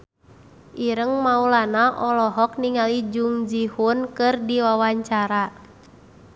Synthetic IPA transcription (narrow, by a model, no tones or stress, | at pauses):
ʔiɾəŋmaulanaʔɔlɔɦɔk̚niŋalid͡ʒuŋd͡ʒihunkɨrdiwawaɲt͡ʃaɾa